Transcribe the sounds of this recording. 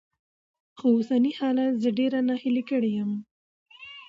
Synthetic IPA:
xoosanihɑlat̪zəɖeɾanahɪlikəɽejəm

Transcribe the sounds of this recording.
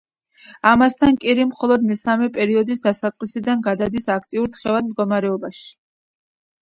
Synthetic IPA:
amast̪ʰankʼiɾimχɔlˠɔd̪mɛsamɛpʼɛɾiɔd̪isd̪asat̪sʼqʼisid̪anɡad̪ad̪isakʰt̪ʼiuɾt̪ʰχɛvad̪̚md̪̚ɡɔmaɾɛɔbaʃi̥

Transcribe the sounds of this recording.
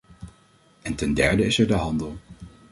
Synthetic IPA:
ɛntɛndɛɹdəɪsɛɹdəɦɑndəlˠ

